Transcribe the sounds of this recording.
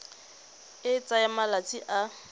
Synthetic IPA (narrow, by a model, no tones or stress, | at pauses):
ɪt͡sʼajamalat͡sʼiʔa